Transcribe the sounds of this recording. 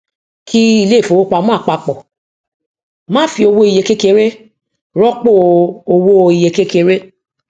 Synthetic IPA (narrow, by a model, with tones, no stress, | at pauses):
kʰi˦i˧le˦˨fo˨wo˦k͡pa˨˧mũ˦a˦˨k͡pa˧k͡pɔ˨ | mãː˦fi˧o˧wo˧˦i˨je˨˧ke˦ke˧˦ɾe˦ | ɾɔ˦k͡po˦˨o˧wo˧i˨je˧ke˦ke˧ɾe˦